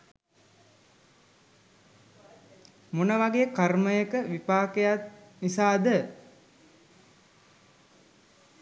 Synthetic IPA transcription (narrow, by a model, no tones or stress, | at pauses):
munəʋaɡejəkarməjəkəʋipaːkejat̪nisaːd̪ə